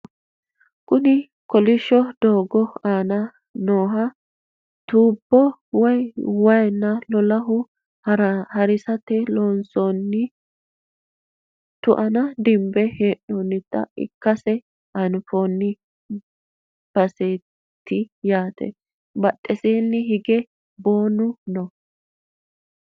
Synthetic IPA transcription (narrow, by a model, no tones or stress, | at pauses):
kʊnɪ | kɔlɪʃːɔd̪̥oːɡɔaːnɐ | noːɦɐ | t̪uːbːɔwɐjwɐjnːɐlɔlɐɦʊ | hɐɾɪsɐt̪ːɛloːnsonːɪ | t̪ʊʔɐnɐd̪ɪmbɛheːʔoːnːɪt̪ːɐ̰ɪ̰kːɐsɛ | ʔɐnfonːɪ | b̥ɐseː | t̪ːɪjaːt̪ʰɛ̰ | bɐtʼːɛseːnːɪɦɪɡɛ | boːnʊnɔ